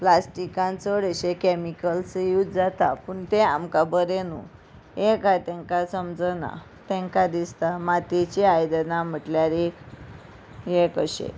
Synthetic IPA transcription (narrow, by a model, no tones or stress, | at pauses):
plasʈikãnt͡səɽəɕekɛmikəlsəjut̪d͡zat̪apuːɳt̪eamkabəɾenṵ | jekajt̪ɛ̃ŋkasəmd͡zəna̰ | t̪ɛ̃ŋkad̪ist̪amat̪et͡ɕiajd̪nam̤əʈljaɾek | jekəɕḛ